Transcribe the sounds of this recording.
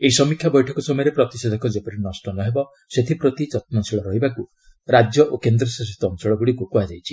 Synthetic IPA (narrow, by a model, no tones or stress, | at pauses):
eisɔmikʰjabɔjʈʰɔkɔsɔmɔjɔɾepɾɔt̪ised̪ʱɔkʰɔd͡ʒepɔɾinɔsʈɔnɔɦebɔ | set̪ʰipɾɔt̪id͡ʒɔt̪̚mɔnsiɭɔɾɔɦibaku | ɾad͡ʒjɔʔokend̪ɾɔsas̬it̪ɔːnsɔɭɔɡuɽikokuad͡ʒajt͡ʃʰi̥